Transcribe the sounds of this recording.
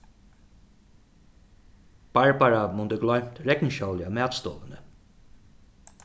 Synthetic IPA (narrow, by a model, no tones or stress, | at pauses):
b̥aɹbaɹamʊnt̪əɡlɔʏm̥t̪ɹɛknʃɔwlɪamæːt̪st̪ɔ̰ːʋənə